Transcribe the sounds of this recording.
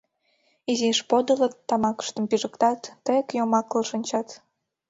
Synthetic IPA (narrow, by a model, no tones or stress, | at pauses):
iziʃpod̪ələt̪ːɑmɑkə̥ʃt̪əmpiʒəkt̪ɑt̪ːəkjomɑklɤʃənʲt͡ɕɑt̪